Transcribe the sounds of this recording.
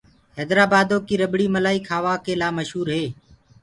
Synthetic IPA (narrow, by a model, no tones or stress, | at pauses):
ɦɛːd̪ɾaːbaːd̪oːkiːɾəbɽiːməlaːiːkʰaːʋaːkeːlaːməʃɦuːɾɦeː